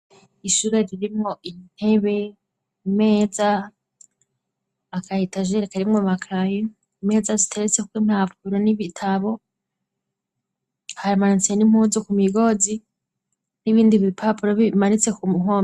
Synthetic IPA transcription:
iʃuɾeɾiɾimŋo̞ʔin̥he̞βe̞ | ime̞ːza | kahitaʒeɾekaɾimŋomakʰaje | ime̞ːzazitʰe̞ɾet͡sekukwimaːpuɾoniβitʰaβo̞ | haɾimanit͡senimuzokumiɡo̞zi | niβiːndiβipʰapuɾoβimaɾit͡se̞kumuɦoːm

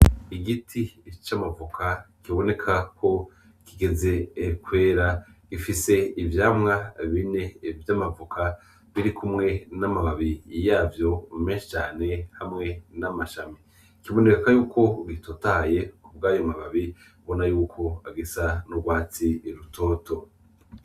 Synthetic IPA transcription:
iɡitʰit͡ʃamavukʰa | kiβo̞ne̞kʰako̞ | kiɡe̞ze̞kwe̞ːɾaɡ̥ifise̞ivjaːmŋaβine̞vjamavukʰa | βiɾikʰumŋe̞namaβaβijaːvjo̞meːnʃi̥t͡ʃaːne̞hamŋe̞namaʃami | kiβo̞ne̞kakajuːkʰo̞ɡitotaːje̞uβ̚ɡaːjomaβaβi | βo̞najuːkʰo̞aɡisanuɡwaːt͡siɾuto̞ːto̞

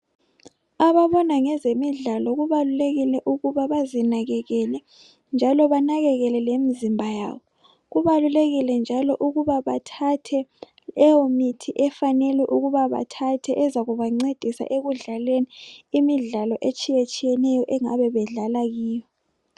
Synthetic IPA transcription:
aβaβɔnaŋɛzemiɮalɔɣuβaluleɣilɛʔuɣuβaβazinaɣɛɣɛlɛ | nd͡ʒʱalɔβanaɣɛɣɛlɛlemizimbʱaja̰ːβɔ | ɣuβaluleɣilɛnd͡ʒʱalɔʔuɣuβaβatʰatʰɛ | ɛwomitʰiʔɛfanɛlɛʔuɣuβaβa̰tʰatʰɛʔɛzaɣuβaŋ͡ǀed̥ʱisa̰ʔeɣuɮalweniimiɮalɔʔet͡ʃʼijet͡ʃʼijɛnɛjɔʔɛŋa̰βɛβɛɮalaɣiːjɔ

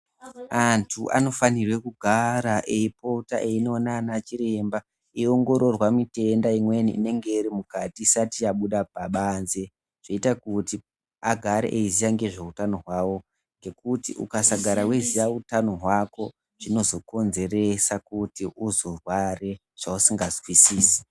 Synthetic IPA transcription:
antʰuʔa̰no̞fanirwe̞kuɡʱaɾaʔeipo̞taʔeino̞nanat͡ʃiɾe̞mba | io̞ŋɡo̞ɾo̞rwamite̞ndaimwe̞niʔḭne̞ŋɡe̞irimukatiːsatiaɓuɗap̚aɓanze | ʐ̥eitakuti | aɡʱaɾḛʔeizijaŋɡe̞ʐe̞utano̞ɦwawo̞ | ŋɡe̞kutḭʔṵkasaɡʱaɾawezijautano̞ɦwako̞ | ʐ̥ino̞zo̞ko̞nze̞re̞sakutiuzo̞rware̞ | ʐ̥ausiŋɡazwisiːsi̥

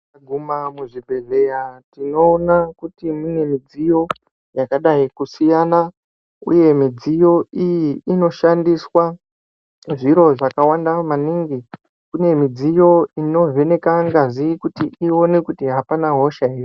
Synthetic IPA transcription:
aɡʱumamuʐibʱe̞ɮe̞jatino̞ːnakutimune̞mid͡zijo̞ | jakaɗaikusijana | ṵje̞mid͡zijo̞ijiino̞ʃandiswa | ʐiɾo̞ʐakawandamaniŋɡi | kune̞mid͡zijo̞ino̞ve̞ne̞kaŋɡaʐikutiio̞ne̞kutiɦapanaɦo̞ʃairi

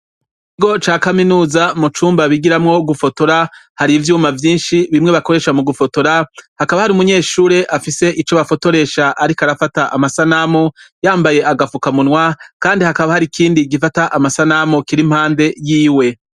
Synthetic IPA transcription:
kiɡo̞t͡ʃaːkaminuːzamut͡ʃuːmbaβiɡiɾamŋo̞ɡufo̞to̞ɾahaɾivjuːmavjiːnʃiβimŋe̞βako̞ɾe̞ːʃamuɡufo̞to̞ɾahakaβahaɾiumuɲe̞ːʃuːɾe̞ʔafise̞ʔit͡ʃoβafo̞to̞ɾe̞ʃaʔaɾikaɾafataʔamasanamojaːmbaje̞ʔaɡafukamunwakaːndihakaβahaɾikʰiːndiɡifataʔamasanamokiɾim̥haːnde̞jiːwe̞

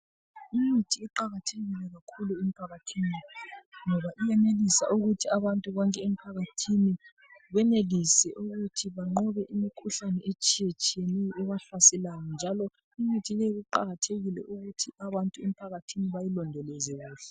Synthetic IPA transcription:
imitʰiːǃaɣatʰeɣilɛɣakʰuluem̩pʰaɣatʰiːniŋɔβaʔijɛnelisa̰ʔuɣutʰiaβantʼuβɔŋkʼɛem̩pʰaɣatʰini | βɛnelisɛʔuɣutʰiβaŋ͡ǃɔβɛʔimikʰuɬanɛet͡ʃʼijet͡ʃʼijenɛjʔɛβaɬasɛlajɔnd͡ʒʱalɔ | imitʰijɛɣuǃa̰ɣatʰeɣilɛ̰ʔuɣutʰiaβantʼuem̩pʰaɣatʰiniβajilɔndʱɛlezɛɣuːɬɛ

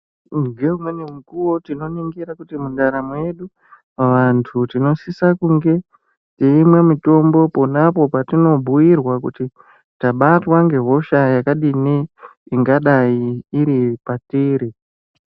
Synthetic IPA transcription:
ɡeumwenimukuwotino̞niŋɡiɾakutimundaɾamwe̞ɗu | ʋantʰutino̞sisakuŋɡe̞ | tiimwe̞mito̞mbo̞po̞napo̞patino̞bʱuirwakuti | taɓatwaŋɡe̞ɦo̞ʃajakaɗiniiŋɡaɗaiːɾipatiːɾi

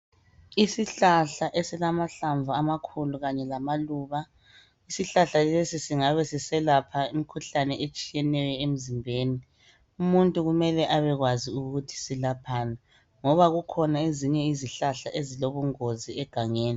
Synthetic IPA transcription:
isiɬaɬaʔesilamaɬaɱvʱuamakʰuluɣaɲɛlamaluːβa | isiɬaɬalesisiŋaβɛsisɛlapʰaimikʰuɬanɛʔet͡ʃʼijɛnɛjɔem̩zimbʱeːni | umuntʼuɣumɛlɛʔaβɛɣwaziuɣutʰi̥silapʰaːna | ŋɔβaɣukʰɔnaeziɲɛiziɬaɬaʔeziloβuŋoziɛɡ̥ʱaŋeːni

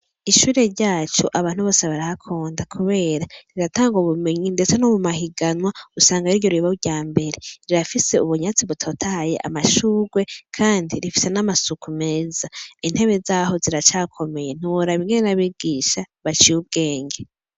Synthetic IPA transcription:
iʃuːɾe̞ɾɟaːt͡ʃoʔaβaːn̥huβo̞ːseβaɾahakʰoːndakʰuβe̞ːɾaɾiɾataːŋɡoβume̞ɲinde̞t͡senomumaɦiɡanwausaːŋɡaiɾɟo̞ɾiβauɟaːmbe̞ɾe̞ɾiɾafise̞uβuɲat͡siβutʰotʰahajḛʔa̰maʃuːɡwe̞kʰaːndiɾifi̥se̞namasukume̞ːzain̥he̞βe̞zaːɦo̞ziɾat͡ʃaːkʰo̞me̞jen̥iwoɾaβiŋɡenenaβiɡ̥iːʃa | βat͡ʃijub̚ɡe̞ːɲɡe

